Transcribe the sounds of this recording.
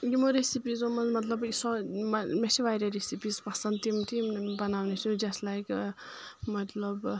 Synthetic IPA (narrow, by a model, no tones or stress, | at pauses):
jumoɾesipizomɐnmɐt̪lɐbsɔmesiʋajɾeɾesipizpasɐnt̪imt̪ʰimbɐnawnesud͡ʒɐstlajk | mɐt̪lɐb